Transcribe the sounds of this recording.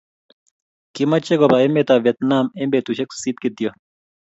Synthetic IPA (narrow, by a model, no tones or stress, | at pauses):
kimɐt͡ɕːeɡobaemet̪aːʋet̪naːmembet̪uɕekssit̪̚kit̪ijɐ